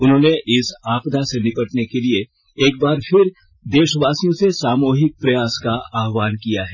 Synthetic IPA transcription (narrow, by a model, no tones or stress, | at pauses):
ʊnɦõːneʔɪsaːpd̪ʱasenɪkəʈnekelie | eːk̚baːɾfʰɪɾ | d̪eːʃəʋaːsijõsesaːmoːɦɪk̚pɾɐjaːskaaːɦʋaːnkijaɦɛː